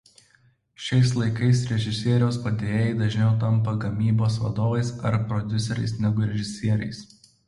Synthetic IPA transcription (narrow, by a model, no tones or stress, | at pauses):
ʃʲɛɪslˠɐɪkɐɪsɾʲɛʒʲɪsʲiɛɾʲoːspɐd̪ʲeːjɪd̪ɐʒʲnʲɛʊt̪ɐmpɐɡɐmʲiːboːsʋɐ̰d̪oːʋɐɪsɐɾpɾɔd̪ʲʊsʲɛɾʲɛ̰ɪsnʲɛɡʊɾʲɛʒʲɪsʲiɛɾʲɛ̰ɪs